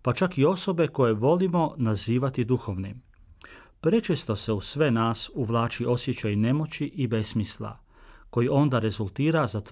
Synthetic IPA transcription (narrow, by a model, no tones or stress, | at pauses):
pat͡ʃakio̞so̞be̞ko̞je̞ʋo̞limo̞naziːʋat̪id̪uxo̞ʋnim | pɾe̞t͡ʃest̪o̞se̞usʋe̞naːsuʋlˠaːt͡ʃiʔo̞sje̞t͡ɕajne̞mo̞t͡ɕiʔibe̞smisla̰ | ko̞jiʔo̞nd̪aɾe̞zulˠt̪iːɾazat̪